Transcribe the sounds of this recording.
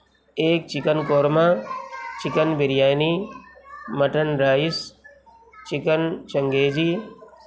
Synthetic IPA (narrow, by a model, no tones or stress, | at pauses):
eːk̚t͡ʃɪkənkoːɾmaːt͡ʃɪkənbɪɾjaːjniː | mɐʈənɾaːɪs | t͡ʃɪkənt͡ʃɐŋɡeːd͡ʒiː